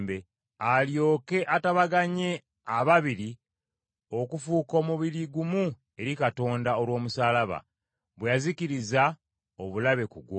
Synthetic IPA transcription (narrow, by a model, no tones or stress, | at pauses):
be | aljo̞ːke̞ʔataβaɡaɲe̞ | aβaβiɾi | o̞kufuːko̞ːmuβiɾiɡumu | e̞ɾikato̞ːndao̞lwo̞ːmusaːlaβa̰ | βwejaziciɾiza | o̞βulaβe̞kuɡwo